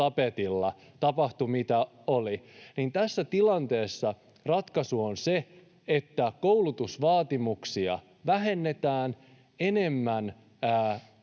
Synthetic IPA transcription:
ɑpet̪ilːɑ | t̪ɑpɑht̪umit̪æ | olinint̪æsːæt̪ilɑnt̪e̞ːsːɑ | rɑt̪kɑsuonse | et̪ːækoulut̪usʋɑːt̪imuksiɑ̰ | ʋæɦe̞nːet̪æːn | ene̞mːæn | æː

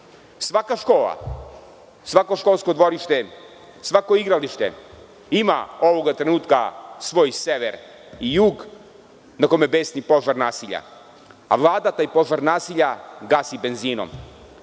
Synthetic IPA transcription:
sʋakaʃkoːlˠa̰ | sʋako̞ʃko̞lˠsko̞d̪ʋo̞ɾiʃt̪e | sʋako̞iɡɾaliʃt̪ḛ | ima̰o̞ʋo̞ɡat̪ɾenuːt̪kasʋo̞ːjseʋḛɾ | ijuːɡ | nako̞mebe̞snipo̞ʒaɾnaːsiʎa̰ | aʋlˠaːd̪at̪aːjpo̞ʒaɾnaːsiʎaɡasibe̞nziːno̰m

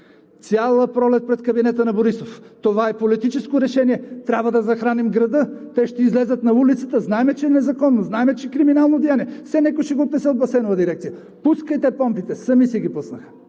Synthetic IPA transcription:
t̪sʲjalˠəpɾɔlɛt̪̚pɾɛt̪kɐbinɛt̪ənɐboɾisoft̪ovaɛpolit̪it͡ʃɛskoɾɛʃɛniɛt̪ɾʲabvəd̪ɐzɐxɾanimɡɾɐd̪ɤt̪ɛʃt̪ɛizlɛzət̪nɐulit̪sət̪əznaɛmɛt͡ʃɛɛnɛzɐkɔnːoznaɛmɛt͡ʃɛkɾiminalˠnod̪ijaniɛfsɛnɛkoʃɛɡot̪nɛsɛod̪bɐsɛnovɐd̪iɾɛkt̪sijə | puskəit̪ɛpɔmpit̪ɛsɐmisɛɡipusnəxə̥

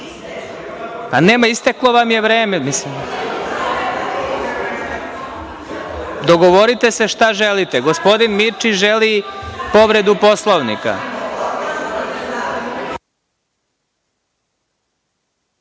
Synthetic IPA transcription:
paneːmaist̪eklˠo̞ʋamje̞ʋɾeːmemislim | d̪oɡoʋoɾit̪ese̞ʃt̪aʒelit̪eɡospo̞d̪inmiɾt͡ʃiʒelipo̞ʋɾe̞d̪upo̞slˠoʋnḭka̰

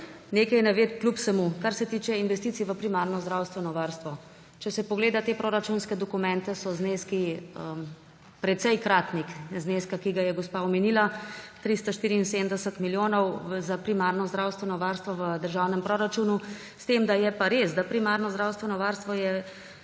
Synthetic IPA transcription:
neːkɐjnɛʋeːt̪klʲupsɛmukaɾsɛt̪iːt͡ʃɛinʋɛst̪it̪siʋəpɾimaɾnɔzd̪ɾawst̪ʋɛnɔʋaːɾst̪ʋɔ | t͡ʃɛsɛpɔɡleːd̪at̪eːpɾoɾat͡ʃunskɛd̪ɔkumɛnt̪ɛsɔzneskiə | pɾɛt̪sɛjkɾaːt̪nikzneːskakiɡajɛɡɔspaɔmɛniːlat̪ɾist̪ɔʃt̪iːɾiːnsemd̪ɛsət̪miljoːnɔwzapɾimaɾnɔzd̪ɾawst̪ʋɛnɔʋaɾst̪ʋɔʋəd̪əɾʒawnɛmpɾoɾat͡ʃunu | st̪emd̪ajɛpaɾesd̪apɾimaɾnɔzd̪ɾawst̪ʋɛnɔʋaːɾst̪ʋɔjɛ

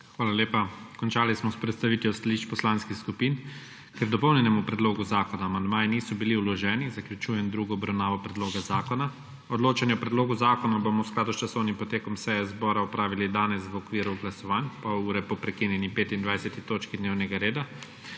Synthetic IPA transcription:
xʋaːlaleːpakɔnt͡ʃaːlismɔspɾɛt̪st̪aʋiːt̪jɔst̪aliʃt͡ʃpɔslanskixskupiːn | kɛɾd̪ɔpɔwnʲɛnɛmupɾɛd̪loːɡuzaːkɔnaːmand̪maːjiniːsɔbiliulɔʒɛːnizaklʲjut͡ʃuːjɛnd̪ɾuɡɔːbɾawnaːʋɔpɾɛd̪loːɡazaːkɔna | ɔd̪loːt͡ʃanjɛɔpɾɛd̪loːɡuzaːkɔnabomɔwsklaːd̪ust͡ʃasɔwnimpɔt̪eːkɔmsɛjɛzbɔːɾaɔpɾaːʋilid̪aːnɛsʋɔkʋiːɾuɡlasɔʋanpauːɾɛpɔpɾɛkiːnjɛnipeːt̪ind̪ʋajsɛt̪it̪oːt͡ʃkid̪neːwnɛɡaɾeːd̪a

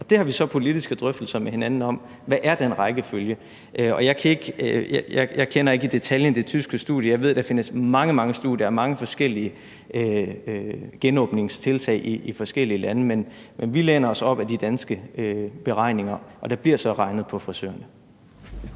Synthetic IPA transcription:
ɒ̽d̥e̝hɑ̈ʋisɒ̽pʰo̝lid̥isɡ̥əd̥ʁœfd̥l̩sɐmehe̝nænn̩ɒ̽m̰ | ʋæʔæɐd̥enʁɑ̈ɪɡ̥əføljə | ʔøɒ̽jɑ̈ɪkʰæe̝ɡ̥jjɑɪjɑ̈ɪkʰen̰ɐe̝ɡ̥id̥e̝t͡sʰæljənd̥e̝t͡sʰysɡ̥əsd̥ṵð̰ˠjəjɑ̈ɪʋe̝ð̞̰ˠd̥ɑ̈fe̝nəsmɑ̈ŋəmɑ̈ŋəsd̥uð̰ˠjɐæɐmɑ̈ŋəfɒ̽sɡ̥el̰iə | ø | ɡ̥enɔ̰̽ːb̥ne̝ŋst͡sʰe̝lt͡sʰɛ̰ɪʔiʔːfɒ̽sɡ̥el̰iəlænəmen | menʋileːnɐɒ̽sɒ̽b̥æd̥id̥ænsɡ̥əʔøb̥e̝ʁɑ̈ɪ̰ne̝ŋɐʔɒ̽d̥ɑ̈b̥liɐ̰sɒ̽ʁɑ̈ɪnəð̞̩ˠpʰɒ̽fʁisø̰ɐnə

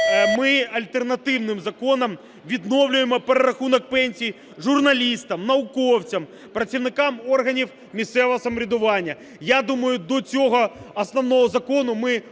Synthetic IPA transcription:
mɪɐlʲt̪ernɐt̪ɪwnɪmzɐkɔnɐm | ʋʲid̪nɔwlʲʊjemɔpeɾeɾɐxunɔk̚pɛnʲsʲij | ʒʊrnɐlʲist̪ɐmnɐʊkɔwt͡sʲɐm | pɾɐt͡sʲiwnɪkɑmɔrɦɐnʲiw | mʲist̪sɛʋɔɦɔsɐmɔɾʲid̪ʊʋɑnʲːɐ | jad̪umɐjʊd̪ɔt͡sʲɔɦɔɐsnɔwnɔɦɔzɐkɔnʊmɪ

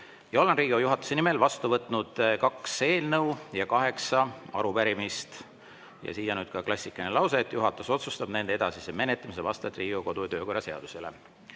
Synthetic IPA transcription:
jɑo̞le̞nriːɡojuɦɑt̪ːˑu̥se̞nime̞lvɑst̪uvɤt̪ˑnud̪̥kɑkse̞ːlnɤwjɑkɑɦe̞ksɑɑ̰ɾupæɾimist̪ | jɑ̰siːjɑnyːd̪̥̚kɑklɑsʲːikːˑɑnelɑwset̪ːˑjuɦɑt̪ːˑuso̞t̪sust̪ɑb̥ne̞nd̪ee̥ɑsiseme̞net̪ːˑɑmis̬evɑst̪ɑt̪ːˑriːɡ̥oko̞d̪ujt̪øːko̞rːɑse̞ɑ̰d̪̥use̞lḛ

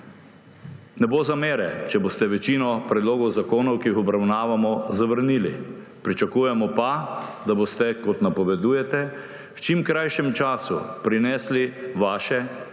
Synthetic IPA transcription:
nɛbozameːɾɛt͡ʃɛbost̪ɛʋɛt͡ʃiːnɔpɾɛd̪loːɡɔwzakoːnɔwkiixɔbɾawnaːʋamɔzaʋəɾniːlḭ | pɾit͡ʃakuːjɛmɔpad̪aboːst̪ɛkɔt̪napɔʋɛd̪uːjɛt̪ɛ | wt͡ʃimkɾajʃɛmt͡ʃaːsṵpɾinɛːsliʋaːʃɛ

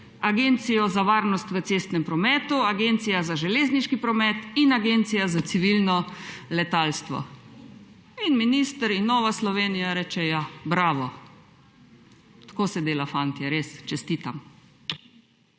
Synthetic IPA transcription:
aɡent̪sijɔzaʋaːɾnɔst̪ʋət̪seːst̪nɛmpɾɔmɛːt̪uaɡent̪sijazaʒɛleːzniʃkipɾɔmɛt̪inaɡent̪sijazat̪siʋilnɔlɛt̪aːlst̪ʋɔ̰ | inminist̪əɾinːɔːʋaslɔʋeːnijaɾɛt͡ʃɛjabɾaːʋɔ | t̪ḁkoːsɛd̪eːlafant̪jaɾest͡ʃɛst̪it̪am

